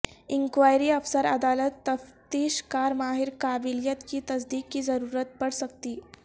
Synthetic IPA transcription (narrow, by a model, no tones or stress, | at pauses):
iŋkʋajɾiːəfsəɾəd̪alət̪ːəft̪iːɕkaɾmaɦiɾkabiljət̪kiːt̪əs̬d̪iːkːiːd͡zəɾuɾət̪̚pəɽsək̚t̪iː